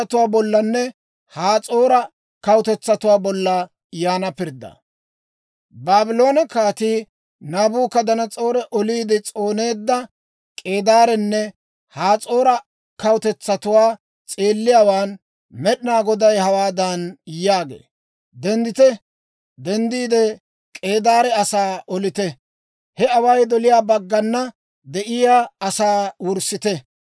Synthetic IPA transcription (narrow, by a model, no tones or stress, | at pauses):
ɐt̪ʊwaːbɔlːɐnːɛ | haːt͡sʼo̞ːɾɐ | kɐwʊt̪ɛt͡sːɐt̪ʊwaːbɔlːɐ | jaːnɐpɪɾd̪ɐ̰ | baːbɪlo̞ːnɐkaːt̪iː | naːbuːkːɐd̪ɐnɐt͡sʼo̞ːɾɛʔɔliːd̪ɪt͡sʼoːne̞ːd̪ːɐ | kʼe̞ːd̪aːɾɛnːɛ | haːt͡sʼo̞ːɾɐ | kɐwʊt̪ɛt͡sːɐt̪ʊwaː | t͡sʼeːlːɪjaːwaːn | mɛɗɪnaːɡɔd̪ɐjhɐwaːd̪ɐnjaːɡḛː | d̪ɛnd̪ɪt̪ɛ | d̪ɛnd̪iːd̪ɛ | kʼe̞ːd̪aːɾɛɐsaːʔɔlɪt̪ɛ | hɛɐwɐjd̪ɔlɪjaːbɐɡːɐnːɐ | d̪ɛʔɪjaːɐsaːwʊɾsɪt̪ɛ